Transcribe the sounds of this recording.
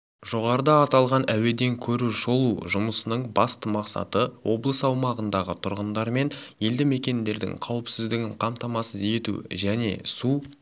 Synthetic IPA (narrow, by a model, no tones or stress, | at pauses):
ʒ̥o̞ʁɑɾəd̪ɑːt̪ɑlˠʁɑnæwe̞d̪e̞ŋkʲʰɵɾuʒo̞lˠuʒʊməsənəɴbɑst̪əmɑqsɑ̰t̪əwo̞blˠəsəɑwmɑʁənd̪ɑʁət̪ʰʊɾʁənd̪ɑɾme̞nje̞ld̪ɪme̞kʲe̞nd̪e̞ɾd̪ɪ̰ŋqʰɑwəpsɪzd̪ɪɡʲɪɴqʰɑmt̪ɑmɑsəze̞t̪ṵʒæne̞̰su